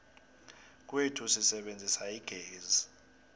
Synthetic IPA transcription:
k̬ʼwetʰusisɛɓend͡zʱisaiɡ̥ʱeːzi

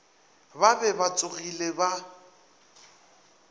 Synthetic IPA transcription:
babɛbat͡sʼʊɣileba

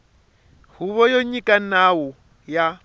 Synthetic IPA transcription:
huβɔjɔɲikʼanawɔ | ja

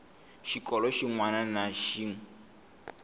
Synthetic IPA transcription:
ʃikʼɔlɔʃiŋwananaʃiːŋ

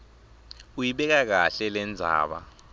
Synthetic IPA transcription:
ujiɓɛk̬ak̬aɬɛlɛnd͡zʱa̰ːɓa̰

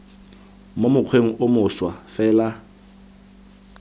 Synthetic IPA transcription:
momʊq͡χʰweŋ̩ʔʊmʊswafɛːla

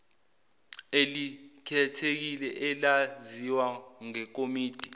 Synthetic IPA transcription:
elikʰɛtʰek̬ilɛʔɛlaziwaŋɛk̬omiːd̥ʱi

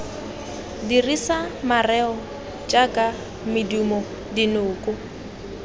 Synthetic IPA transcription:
dirisamarɛɔ | t͡ʃʼakʼa | mɪdumɔ | dinʊːkʼʊ

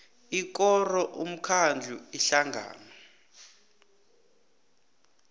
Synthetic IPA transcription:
ik̬ʼɔrɔʔum̩kʰand͡ɮʱuiɬaŋɡʱa̰ːna

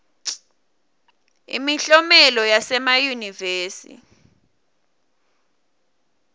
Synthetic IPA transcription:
ḭmiɬɔmɛlɔjasɛmajuniveːsḭ

